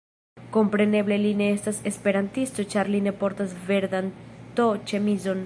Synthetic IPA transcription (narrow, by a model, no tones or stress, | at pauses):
ko̞mpɾe̞ne̞ble̞line̞estase̞spe̞ɾant̪ist̪o̞t͡ʃaɾline̞po̞ɾtasve̞ɾd̪ant̪o̞t͡ʃemizo̞n